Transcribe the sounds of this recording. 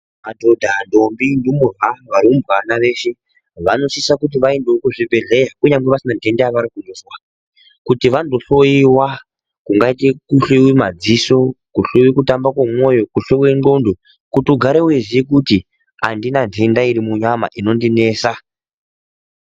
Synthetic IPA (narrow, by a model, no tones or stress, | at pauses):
madʱo̞dʱando̞mbindimuraʋaɾiumbwanaʋe̞ːʃe̞ | ʋano̞sisakut̬iʋaendeokuʐibʱe̞ɮe̞jakuɲamɡeʋasinandʱe̞ndeaʋaɾikundozwa | kutiʋandoɬo̞jiwa | kuŋɡaitekuɬewimad͡ziso̞kuɬewikutambakwemo̞jo̞kuɬeweŋ͡ǃɡo̞ndo | kutuɡʱaɾeweʐiek̬uti | andinandendaiɾimuɲama̰ʔino̞ndine̞ːsa